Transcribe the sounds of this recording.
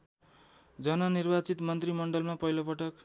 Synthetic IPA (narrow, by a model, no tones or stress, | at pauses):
d͡zʌnʌnirbat͡sit̪mʌnt̪rimʌɳɖʌlmapʌjlʌpʌʈʌk